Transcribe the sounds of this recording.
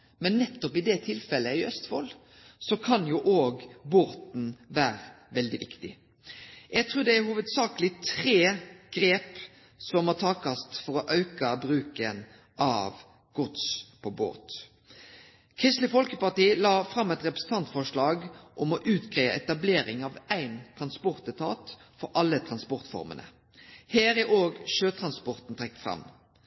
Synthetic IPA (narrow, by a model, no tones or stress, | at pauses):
mɛnːɛt̪ːɔpɪd̪ɛt̪ʰɪlfɛlːəæɪœst̪fɔl | sɔkʰɑnjʊʔoːɡboːt̪n̩ʋæːɾəʋɛld̪ɪʋɪkt̪ɪ | jɛɡt̪ʰʁʉːd̪ɛæɾhuːʋəd̪sɑːkəlɪt̪ʰɾeːɡ̥ɾeːp | sɔmhɑt̪ʰɑːkɑst̪fɔɾɔʔɑʉkɑbɾʉːkən | ʔɑ̰ʋ | ɡ̥ʊt̪spʰɔbo̰ːt̪ | kʰʁɪst̪lɪfɔlkəpɑʁʈ̪iːlɑːfɾɑmːɛt̪ɾɛpɾəsn̩t̪ʰɑnt̪fɔʂlɭɑːɡʔɔmɔʔʉːt̪ɡʁeːʋə̰ɛt̪ɑbleːɾɪŋɑʋæɪnt̪ʰɾɑnspɔɾt̪ət̪ʰɑːt̪fɔɾʔɑlːət̪ʰʁɑnspɔɾt̪fɔ̰ɾmə̰nə̰ | hæːɾæɾʔoːɡʃøːt̪ʰɾɑnspɔɾt̪n̩t̪ʰʁɛk̚ːt̪fʁɑ̰mː